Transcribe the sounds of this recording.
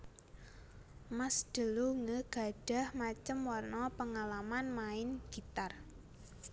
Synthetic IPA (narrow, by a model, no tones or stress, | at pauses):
masd̪̥ə̤luŋəɡ̥a̤ɖ̥a̤hmat͡ʃəmwɔrnɔpəŋalamanmaɪnɡ̥i̤t̪ar